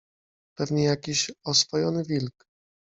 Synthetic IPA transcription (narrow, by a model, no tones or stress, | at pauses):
pɛvɲɛjakʲiɕɔsfɔjɔnɘvʲilk